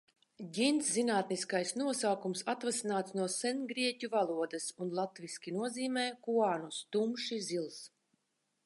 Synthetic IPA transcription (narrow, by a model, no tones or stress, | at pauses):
ɟʲinszinaːt̪niskajsnuɔsaːkumsat̪vasinaːt̪snuɔsɛnɡɾiɛcʲuvalˠuɔd̪ɨsunlˠat̪viskʲinuɔziːmɛːkuaːnust̪umʃizilˠs